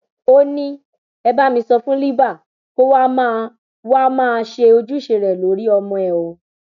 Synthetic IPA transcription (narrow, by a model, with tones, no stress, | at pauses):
o˦nĩ˧ | ɛ˧ba˦mĩ˧sɔ˧fũ˦li˦ba˦˨ | ko˦wa˦mã˦˧ | wa˦mãː˦˧ʃe˧o˧d͡ʒu˦i˦˨ʃe˧ɾɛ˨lo˨˦ɾi˦ɔ˧mɔ̃˧ɛ˨o˨